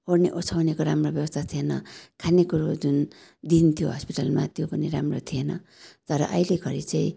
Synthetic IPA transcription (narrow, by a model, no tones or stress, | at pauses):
ɦorneʔot͡sʰawnekoɾamrobjʌbʌst̪ʰat̪ʰienʌ̰kʰanekuɾod͡zun | d̪int̪ʰijoɦʌspiʈalmat̪jopʌniɾamrot̪ʰienʌ̰t̪ʌɾʌ̰ʔʌileɡʰʱʌɾit͡saĩ